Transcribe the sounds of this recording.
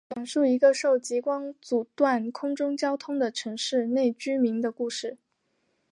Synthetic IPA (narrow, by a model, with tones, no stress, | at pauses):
t͡ɕjɑ˨˩ŋʂu˥˩i˧˥ɡə˧ʂo˥˩ʊt͡ɕi˧˥kwɑ˥ŋt͡su˨˩t̪wa˥˩nkʰʊ˥ŋʈ͡ʂʊ˥ŋt͡ɕjɑ˥ʊt̪ʰʊ˥ŋd̪ə˨ʈ͡ʂʰɤ˧˥ŋʂɻ̩˥˧ne˥˩ɪt͡ɕy˥mi˧˥ŋd̪ə˧ku˥˧ʂɻ̩˥˩